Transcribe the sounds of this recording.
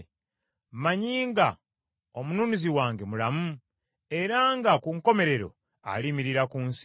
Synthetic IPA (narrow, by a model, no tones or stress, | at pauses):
maɲiːŋɡa | omunuːniziwaːŋɡemulamu | e̞ɾaŋɡakuŋko̞me̞ɾe̞ɾo̞̰ | a̰limiɾiɾakuːns